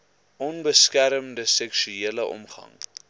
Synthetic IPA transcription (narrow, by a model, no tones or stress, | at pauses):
ʔɔnbəskæɾəmdəsɛksyeːləʔɔ̰mχɐ̰ŋ